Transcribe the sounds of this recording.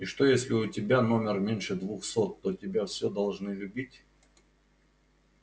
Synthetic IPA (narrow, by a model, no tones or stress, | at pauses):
ɪʂt̪ojesʲlʲɪʊtʲɪbʲano̞mʲɪrmʲenʲʂɨd̪vuxsot̪ːotʲɪbʲafsʲɵd̪ɐlˠʐnɨlʲʉbʲitʲ